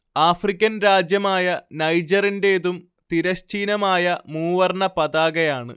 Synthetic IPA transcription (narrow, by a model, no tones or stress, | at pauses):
aːfrikʲːɐnɾaːd͡ʑjɐmaːjɐnɐjd͡ʑɐrinde̞ːðum | t̪iɾɐɕt͡ɕiːnɐmaːjɐmuːʋɐrɳɐpɐðaːɡɐjaːɳɨ̰